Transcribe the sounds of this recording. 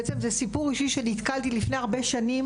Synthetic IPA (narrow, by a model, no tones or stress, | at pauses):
et͡semzesipuʁiʃiʃenit̪kalt̪ilifneaʁbe̞ʃanim